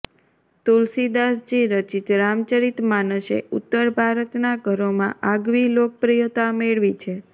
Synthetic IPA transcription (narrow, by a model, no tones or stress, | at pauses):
t̪ulsid̪asd͡ʒiɾət͡ʃit̪ɾamt͡ʃəɾit̪manəʃḛut̪ːəɾbʱaɾət̪naɡʱəɾomã̰ʔaɡʋilok̚pɾijot̪ameɭʋit͡ʃʰe